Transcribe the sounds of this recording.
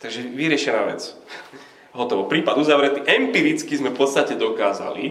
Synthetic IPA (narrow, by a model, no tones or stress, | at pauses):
t̪aɡʒɛʋiɾɪɛʃɛna̰ːʋɛ̰t͡s | ɦɔt̪ɔʋɔpɾiːpad̪uzaʋɾɛt̪iʔɛmpiːɾit͡skizmɛfpɔt̪st̪acɛd̪ɔkaːza̰lḭ